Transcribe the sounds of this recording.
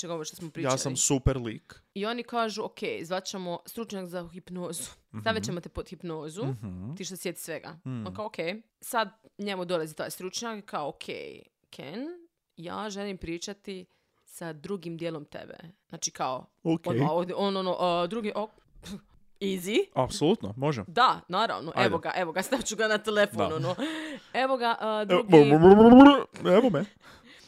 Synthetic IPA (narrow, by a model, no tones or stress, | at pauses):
t͡ʃeɡoɾʃt̪o̥smopɾijaːssamsupeɾliːkio̞nikaːʒuokʰḛjzʋat̪t͡ɕemost̪ɾut͡ʃɲakzaxipnoːzut̪aʋjat͡ɕemot̪epod̪xipnoːzut̪iːʃt̪osjet̪i̥sʋeɡa̰onkaookʰej | sad̪ɲe̞mud̪o̞lazit̪a̰ːjst̪ɾut͡ʃɲakkʰːaookʰḛj | kʰḛn | ja̰ːʒelimpɾiːt͡ʃat̪i | sad̪ɾuɡimd̪jeːlˠo̞mt̪ḛbḛz̥naːt͡ʃikaookood̪ononoʔd̪ɾuɡiʔo | iziapsolˠut̪no̰moʒemd̪anaːɾa̰ʋnoʔeʋoɡaʔe̞ʋoɡast̪aʋt͡ɕuɡanat̪elefononoeʋoɡaʔəd̪uɡomoɾmoɾeʋome